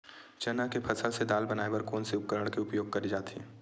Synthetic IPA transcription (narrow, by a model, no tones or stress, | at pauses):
t͡ʃɐnakepʰɐsəlsed̪aːlbɐnaːebɐɾkoːnsiʊpkəɾəɽ̃keʊpjoːɡ̚kɐɾid͡ʒaːt̪ʰiɛː